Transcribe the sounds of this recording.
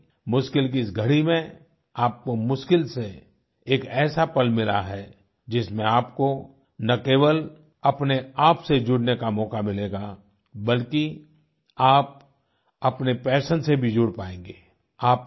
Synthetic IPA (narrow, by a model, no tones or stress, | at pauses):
mʊʃkɪlk̬iɪsɡʱɐɽimẽ | aːp̚komʊʃkɪlse | eːkɛːsapɐlmɪla̰ɦɛ | d͡ʒɪsmẽaːpko | nɐkeːʋəl | ɐpneaːpsed͡ʒʊɽnekamɔːkamɪleːɡa | bəlki | aːp̚ | ɐpnepɛːʃənsebʱid͡ʒʊɽpaːẽːŋɡeː | aːp̚